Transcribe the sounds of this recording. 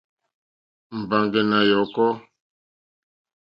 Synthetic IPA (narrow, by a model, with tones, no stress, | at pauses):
m̩˨ba˨ŋɡɛ˨na˨jɔ˨kɔ˦